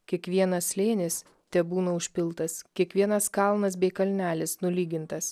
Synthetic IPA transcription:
kʲiɛkʋʲiɛnɐslʲeːnʲɪs | t̪ʲɛbuːnɐʊʃʲpʲɪlˠt̪ɐskʲiɛkʋʲiɛnɐskɑˑlˠnɐs̬bʲɛɪkɐlʲnʲæːlʲɪsnʊlʲiːɡʲɪnt̪ɐs

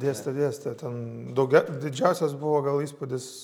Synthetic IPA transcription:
d̪ʲeːst̪ɐd̪ʲeːɛsʲt̪ʲɛt̪ʲɛnd̪ɐʊɡʲɛd̪ʲɪd͡ʒʲɛʊsʲɛs̬bʊʋoːɡɐlˠiːspʊd̪ʲɪs

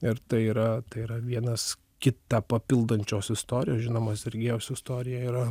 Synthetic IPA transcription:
ɪɾt̪ɐɪiːɾɐt̪ɐɪiːɾɐʋʲiɛnɐs | kʲɪt̪ɑːpɐpʲɪlˠd̪ɐnʲt͡ʃʲoːsɪst̪oːɾʲɪjoːsʒʲɪnoːmɐsʲɛɾʲɡʲeːjɛʊsʲɪst̪oːɾʲɪjɛiːɾɐ

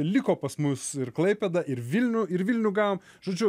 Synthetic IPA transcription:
lʲɪkoːpɐsmʊsɪrklˠɐɪpʲɛd̪ɐʔɪɾʋʲilʲnʲʊɪɾʋʲilʲnʲuɡɑːʋoːm | ʒoːd͡ʒʲʊ

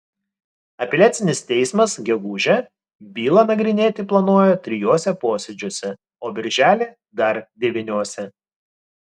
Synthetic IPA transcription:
ɐpʲɛlʲæːt̪sʲɪnʲɪst̪ʲɛɪsmɐsɡʲɛɡuːʒʲɛ | bʲiːlˠɐnɐɡɾʲɪnʲeːt̪ʲɪplˠɐnoɔjot̪ʲɾʲɪjoːsʲɛpoːsʲɛd͡ʒʲoːsʲɛ | oːbʲɪɾʲʒʲæːlʲeː | d̪ɐɾd̪ʲɛʋʲɪnʲoɔsʲɛ

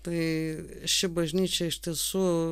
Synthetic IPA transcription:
t̪ɐɪ | ʃʲɪbɐʒʲnʲiːt͡ʃʲɛɪʃʲt̪ʲiɛsuː

